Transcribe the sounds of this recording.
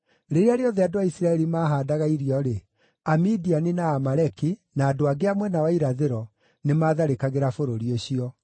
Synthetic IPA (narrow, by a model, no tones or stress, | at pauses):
ɾeɾeaɾeɔðɛadoaisɾaɛɾimaːɦaːdaɣaiɾiɔɾe | amidianinaːmaɾɛkinaːdoaɡeamwɛnawaiɾaðeɾɔ | nemaːðaɾekaɣeɾafoɾoɾioɕiɔ